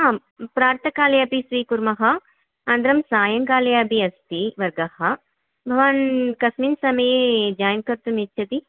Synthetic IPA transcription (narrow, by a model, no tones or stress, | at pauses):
a | pɾaːɾt̪ʰɐkaːlɐjapisʋiːkuɾmɐɦɐ | ɐnd̪ɾɐmsaːjɐŋkaːlɐjaːbʱiɐst̪iʋɐɾɡɐhɐ | bʱɐʋɐnkɐsminsɐmɐjed͡ʒaːjɐŋkɐɾt̪umitːt͡ʃʃʰɐt̪i